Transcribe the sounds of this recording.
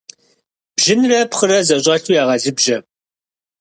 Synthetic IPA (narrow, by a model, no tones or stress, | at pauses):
b̥ʒɪnrɐpχərɐzɐɕʼɐɬʰujaːʁɐzɨbʒɐ